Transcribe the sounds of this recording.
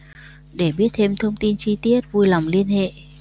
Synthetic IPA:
ɗe˧˩ɓi˦˥ət̚t̪ʰe˧mt̪ʰə˧wŋ͡mt̪i˧nt͡ɕi˧t̪i˦˥ət̚vu˧jla˨˩wŋ͡mli˧ənhḛ˧˨

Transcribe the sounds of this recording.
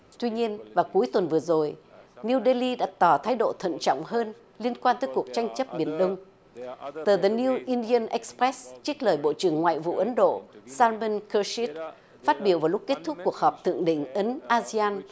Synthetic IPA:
t̪wi˧ɲi˧ənvaː˨˩ku˨˦jt̪wə˨˩nvɨ˨˩əzo˨˩jni˧wɗe˧li˧ɗa̰ː˧˥t̪ɔ˨˩t̪ʰaː˨˦jɗo̰˧˨t̪ʰə̰˧˨nt͡ɕɔ̰˧˨wŋ͡mɦəː˧n | li˧ənkwaː˧nt̪əː˨˦jku˨˩ək̚t͡ɕa˧jŋ̟t͡ɕə˦˥p̚ɓi˨˧˩ənɗə˧wŋ͡m | t̪əː˨˩ðə˨˩ni˧wʔi˧nɗi˧ə˧nʔɛ˦˥k̚spɾɛ˦˥st͡ɕi˦˥k̚ləː˨˩jɓo̰˧˨t͡ɕɨ˨˩əŋːwa̰ː˧˨jvṵ˧˨ʔə˨˦nɗo̰˧˨saː˧lmə˧nkəː˧si˦˥t̚ | fa˦˥t̚ɓi˨˧˩əwvaː˨˩wlʊ˦˥k͡p̚ke˦˥t̚t̪ʰʊ˦˥k͡p̚ku˨˩ək̚hɔː˨˩p̚t̪ʰɨ̰˧˨əŋɗḭ̈˧˨ŋ̟ʔə˨˦nʔaː˧zi˧aː˧n

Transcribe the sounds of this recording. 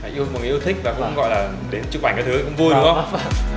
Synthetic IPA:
a̰˧˨ʔi˧əmo˨˩nː˨˩˨i˧wt̪ʰï˦˥k̟̚vaː˨˩kʊ̰˧˥ŋ͡mɣɔ̰˧˨jlaː˨˩ | ɗe˨˦nt͡ɕɨ˧˩ɓa˨˩ŋkaː˨˦˩t̪ɨ˨˦˧kʊ̰˧˥ŋ͡mvu˧əjɗhə˧ŋ͡mŋ͡m

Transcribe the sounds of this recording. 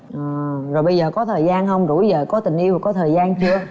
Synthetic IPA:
ʔɨ˨˩zo˨˩jɓə˧jzəː˨˩kɔ˨˦t̪ʰəː˨˩jzaː˧nɦə˧wŋ͡mzṵ˧˩jzəː˨˩kɔ˨˦t̪ï˨˩ŋ̟ʔi˧wha˨˩kɔ˨˦t̪ʰəː˨˩jzaː˧nt͡ɕɨ˧ə

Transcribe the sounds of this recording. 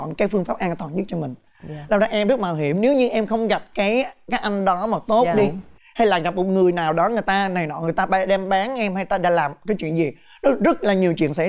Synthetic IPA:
nkaː˨˦jfɨ˧əŋfaː˦˥p̚ʔaː˧nt̪waː˨˩nzɨ˦˥t͡ɕɔ˧mï˨˩ŋ̟ | laː˨˩mzaː˧ʔɛ˧mzɨ˦˥t̚maː˨˩wɦi˧˩əmne˨˦wɲɨ˧ʔɛ˧mxə˧wŋ͡mɣa˨˩p̚kaː˨˦jkaː˨˦˥kʔa˧jŋ̟ɗɔ˨˦ma˨˩t̪o˦˥tɗi˧ | ha˧jlaː˨˩mɣa˨˩p̚mo˨˩t̚ŋɨ˨˩əjnaː˨˩wɗɔ˨˦ŋɨ˨˩əjt̪aː˧na˨˩jnɔ̰˧˨˩ŋ˨˩əjt̪aː˧ɓa˧ɗɛ˧mɓaː˨˦nʔɛ˧mha˧jt̪aː˧ɗa̰ː˧˥laː˨˩mkaː˨˦t͡ɕwḭ˧˨ənzi˨˩ | nɔ˨˦zə˦˥t̚laː˨˩ɲi˨˩əwt͡ɕwḭ˧˨ənsɛ̰˧˥

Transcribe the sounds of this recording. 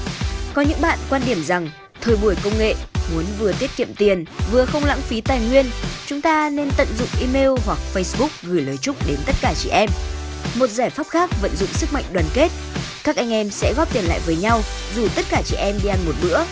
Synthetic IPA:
kɔ˨˦ɲɨ̰˧˥ŋɓa̰ː˧˨nkwaː˧nɗi˧˩əmza˨˩ŋ | t̪ʰəː˨˩jɓu˧˩əjkə˧wŋ͡mŋḛ˧˨mu˨˦ənvɨ˨˩ət̪i˦˥ət̚kḭ˧˨əmt̪i˨˩ənvɨ˨˩əxə˧wŋ͡mla̰˧˥ŋfi˨˦t̪aː˨˩jŋwi˧ənt͡ɕʊ˨˦ŋ͡mt̪aː˧ne˧nt̪ə̰˧˨nzʊ̰˧˨ŋ͡mʔi˧me˧lhwa˨˩k̚fə˧jsɓʊ˦˥k͡p̚ɣɨ˧˩jləː˨˩jt͡ɕʊ˦˥k͡p̚ɗe˨˦nt̪ə˦˥t̚kaː˧˩t͡ɕḭ˧˩˨ʔɛ˧mmo˨˩t̚zaː˧˩jfaː˦˥p̚xaː˦˥k̚və̰˧˨nzʊ̰˧˨ŋ͡msɨ˦˥k̚ma̰˧jŋɗwaː˨˩nke˦˥t̚kaː˦˥k̚ʔa˧jŋ̟ʔɛ˧msɛ̰˧˥ɣɔ˦˥p̚t̪i˨˩ənla̰ː˧˨jvəː˨˦jɲa˧w | zu˨˩t̪ə˦˥t̚kaː˧˩t͡ɕḭ˧˩ʔɛ˧mɗi˧ʔa˧nmo˨˩t̚ɗɨ̰˧˥ə

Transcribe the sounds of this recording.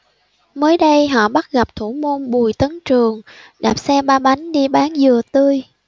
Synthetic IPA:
məː˨˦jɗə˧jɦɔ̰˧˨ɓa˦˥t̚ɣa˨˩p̚t̪ʰu˧˩mu˧nɓu˨˩jt̪ə˨˦nt͡ɕɨ˨˩əŋɗaː˨˩p̚sɛ˧ɓaː˧ɓa˨˦jŋ̟ɗi˧ɓaː˨˦nzɨ˨˩ət̪ɨ˧əj

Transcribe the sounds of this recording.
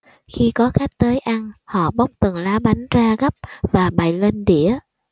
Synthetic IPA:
xi˧kɔ˨˦xa˦˥k̚t̪əː˨˦jʔa˧ŋhɔ̰˧˨ɓa˦˥wk͡p̚t̪ɨ˨˩ŋlaː˨˦ɓa˨˦jŋzaː˧ɣə˦˥p̚vaː˨˩ɓa˨˩jle˧nɗi˧˩˨ə

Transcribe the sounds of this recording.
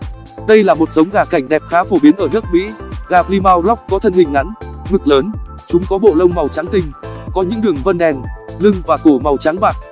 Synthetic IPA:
ɗə˧jlaː˨˩mo˨˩t̚zə˨˦wŋ͡mɣaː˧˩ka˧˩jŋ̟ɗɛ˨˩p̚xaː˨˦fo˧˩ɓi˨˦ənʔəː˧˩nɨ˦˥ək̚mḭ˧˥ɣaː˨˩p̚li˧maː˧wlɔ˦˥k͡p̚kɔ˨˦t̪ʰə˧nhï˨˩ŋ̟ːʔa˨˦nmɨ˨˩k̚ləː˨˦n | t͡ɕʊ˨˦ŋ͡mkɔ˨˦ɓo̰˧˨lə˧wŋ͡mma˨˩wt͡ɕa˨˦ŋt̪ï˧˩ŋ̟kɔ˨˦ɲɨ̰˧˥ŋɗɨ˨˩əŋvə˧nɗɛ˨˩nlɨ˧ŋvaː˨˩k̪o˧˩ma˨˩wt͡ɕaː˨˦ŋɓaː˨˩k̚

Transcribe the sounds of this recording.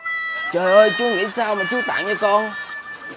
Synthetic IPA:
t͡ɕəː˨˩jʔəː˧jt͡ɕu˨˦ŋḭ˧˥saː˧wmaː˨˩t͡ɕu˧˦t̪a̰ː˧˨ŋə˧kɔ˧n

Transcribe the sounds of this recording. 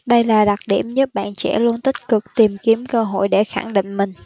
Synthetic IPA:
ɗə˧jlaː˨˩ɗa˨˩k̚ɗḭ˧˩əmɲə˦˥p̚ɓa̰ː˧˨nt͡ɕɛ̰˧˥lu˧ənt̪ï˦˥k̟̚kɨ˨˩k̚t̪i˨˩mki˨˦əmkəː˧ɦo̰˧˨jɗe˧˩xa˧˩ŋɗḭ̈˧˨ŋ̟mï˨˩ŋ̟

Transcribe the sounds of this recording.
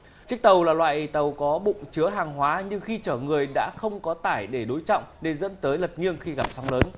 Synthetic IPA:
t͡ɕɨ˦˥ək̚t̪ə˨˩wlaː˨˩lwa̰ː˧˨jʔt̪ə˨˩wkɔ˨˦ɓʊ̰˧˨ŋ͡mt͡ɕɨ˨˦əɦaː˨˩ŋɦwaː˨˦ɲɨ˧ŋxi˧t͡ɕəː˧˩ŋɨ˨˩əjɗa̰ː˧˥xə˧wŋ͡mkɔ˨˦t̪aː˧˩jɗe˧˩ɗo˨˦jt͡ɕɔ̰˧˨wŋ͡mne˧˩nzə̰˧˥nt̪əː˨˦jlə˨˩t̚ŋi˧əŋxi˧ɣa˨˩p̚sɔ˨˦ŋ͡mləː˨˦n

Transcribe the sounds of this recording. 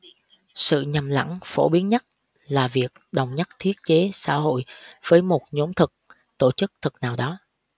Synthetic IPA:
sɨ̰˧˨ɲa˨˩mla̰˧˥ŋfo̰˧˩ɓi˨˦ənɲa˦˥t̚ | laː˨˩vi˨˩ək̚ɗə˨˩wŋ͡mɲa˦˥t̚t̪ʰi˦˥ət̚t͡ɕe˨˦sa̰ː˧˥ɦo̰˧˨jv̥əː˨˦jmo˨˩t̚ɲo˨˦mt̪ʰɨ˨˩k̚ | t̪o˧˩t͡ɕɨ˦˥k̚t̪ʰɨ˨˩k̚naː˨˩wɗɔ˨˦

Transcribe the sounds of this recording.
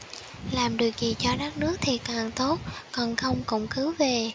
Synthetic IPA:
laː˨˩mɗɨ˨˩ək̚zi˨˩t͡ɕɔ˧ɗaː˦˥k̚nɨ˦˥ək̚t̪ʰi˨˩kaː˨˩ŋt̪o˦˥t̚kɔ˨˩nxə˧wŋ͡mkʊ̰˧˥wŋ͡mkɨ˨˦wve˨˩

